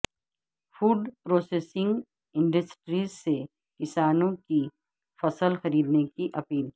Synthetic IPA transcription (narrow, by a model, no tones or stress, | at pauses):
fuːɖpɾoːseːsɪ̃ŋɡ | ɪ̃ɳɖəsʈɾiːzse | kɪsaːnõki | fɐsəlxɐɾiːd̪nekiʔɐpiːl